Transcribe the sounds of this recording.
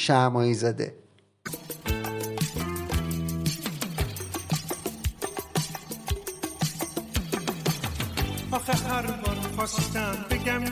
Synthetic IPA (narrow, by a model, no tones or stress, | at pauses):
ʃæmɒːizæd̪ḛ | ɒːxeɾɦæɾubɒːɾmixɒsid̪æmbeɟæm